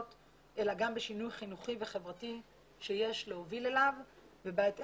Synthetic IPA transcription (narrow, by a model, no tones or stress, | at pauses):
t | ʔelaɡambeʃinujχinuχive̞χevʁati | ʃejeʃleovilelav | vebaet